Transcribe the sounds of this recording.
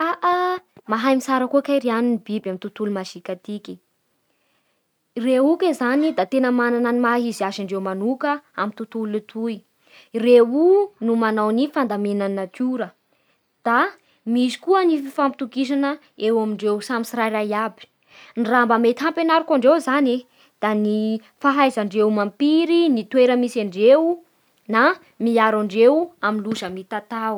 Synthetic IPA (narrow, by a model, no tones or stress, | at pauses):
aʔamaɦajmisaɾəkuəkaɾianinibibamint̪ut̪ulumaʃikat̪iki | reukezanid̪at̪enəmanananimaɦiziaʃiɳɖ͡ʐewmanukəamit̪ut̪ulut̪ʰuj | reunumanawnifand̪amenanakʰuɾə | d̪̥a | misi̥kuənififampi̥t̪ukiʃ̬anə | ewamiɳɖ͡ʐewsamisiɾajrajabi̥ | nirambəmet̪iɦampenaɾukaɳɖ͡ʐewzane | d̪̥ani | faɦajzaɳɖ͡ʐewmampiɾinit̪weɾəmisaɳɖ͡ʐew | na | miaɾaɳɖ͡ʐewaminluʃəmit̪at̪aw